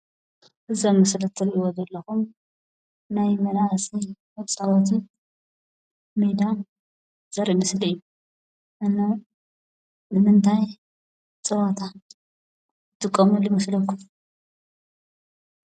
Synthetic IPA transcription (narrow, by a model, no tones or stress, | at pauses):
hɨzɐmːɐslɐt̪ʰːɨnɨwɔzɐlːɐxum | najmɐlasiwɐβt͡sʼaβat̪ʰɨn | med̪a | z̥ɐɾimɨslijːu | ʔɨnːa | nɨmɨnt̪ʰaj | t͡sʼɐβat̪ʰa | ɨt̪ɨkʼːɐmulɪmɐslɐkʰːum